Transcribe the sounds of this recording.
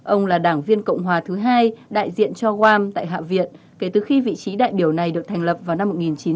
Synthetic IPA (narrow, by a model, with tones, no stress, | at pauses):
ʔə˧wŋ͡mlaː˨˩ɗaː˧˩ŋvi˧ənkə̰˧˨wŋ͡mɦwaː˨˩t̪ʰɨ˨˦ɦaː˧jɗa̰ː˧˨jzḭ˧˨ənt͡ɕɔ˧ɣwaː˧mt̪a̰ː˧˨jɦa̰ː˧˨vḭ˧˨ən | ke˧˩t̪ɨ˨˩xi˧vḭ˧˨t͡ɕi˨˦ɗa̰ː˧˨jɓi˧˩əwna˨˩jɗɨ˨˩ək̚t̪ʰjŋ̟lə˨˩p̚vaː˨˩wna˧mːo˨˩t̚ŋi˨˩nt͡ɕi˨˦